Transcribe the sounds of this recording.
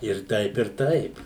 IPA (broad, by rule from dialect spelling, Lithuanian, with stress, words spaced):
ɪr ˈtɐɪp ɪr ˈtɐɪp